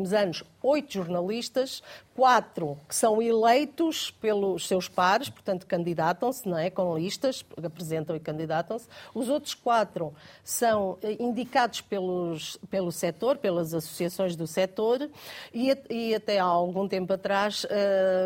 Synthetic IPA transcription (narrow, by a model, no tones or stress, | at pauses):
mzɐnuʃ | ojt̪uʒuɾnɐlˠiʃt̪ɐʃkwat̪ɾukɨ̥sɐ̃w̃ilˠejt̪uʃpelˠuʃsewʃpaɾɨʃpuɾt̪ɐ̃nt̪u̥kɐ̃nd̪iðat̪ɐ̃w̃snɐ̃w̃ɛkõlˠiʃt̪ɐʃɨpɾɨzẽnt̪ɐ̃w̃ikɐ̃nd̪iðat̪ɐ̃w̃suzot̪ɾu̥ʃkwat̪ɾusɐ̃w̃ɛĩnd̪ikaðuʃpelˠuʃpelˠusɛt̪oɾpelˠɐzɐsu̥siɐsõj̃ʒðusɛt̪oɾiiɐt̪ɛaaalˠɣũt̪ẽmpuɐt̪ɾaʃɛ